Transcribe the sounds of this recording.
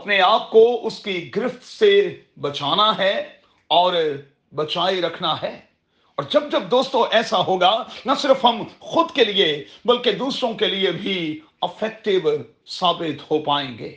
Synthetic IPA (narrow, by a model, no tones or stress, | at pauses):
ɐpneaːp̚koʊskiɡɾɪft̪se | bɐt͡ʃaːnaɦɛ | ɔːɾ | bɐt͡ʃaːeɾɐkʰnaɦɛː | ɔːɾd͡ʒɐb̚d͡ʒɐb̚d̪oːst̪õʔɛːsaɦoːɡanɐsɪɾfɦɐmxʊd̪keliebɐlked̪uːsɾõkeliebʱi | ɪfɛːk̚ʈɪʋ | saːbɪt̪ɦopaːẽːɡḛː